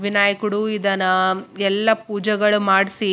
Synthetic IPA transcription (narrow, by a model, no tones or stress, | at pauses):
ʋinaːjɐkuɽuid̪ɐnɐɛlːɐpuːd͡ʒɐɡɐɭumaːɽisi